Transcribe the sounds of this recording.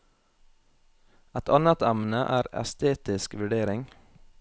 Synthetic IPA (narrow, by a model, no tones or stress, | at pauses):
ɛt̪ʰɑnət̪æmn̩əʔæːɾɛ̰st̪ʰeːt̪ɪskʋʉɖeːɾɪŋ